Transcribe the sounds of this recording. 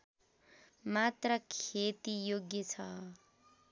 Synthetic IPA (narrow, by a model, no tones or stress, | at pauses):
mat̪rʌkʰet̪ijoɡjʌt͡sʰʌ